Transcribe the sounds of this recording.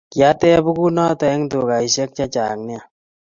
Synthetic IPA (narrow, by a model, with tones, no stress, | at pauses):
kja˦tɛ˦bu˦ku˦nɔ˦ta˨ɛ˦ŋtu˨ka˨i˨ʃɛ˦k̚t͡ʃa˦t͡ʃa̰˨ŋnɪ˦a˨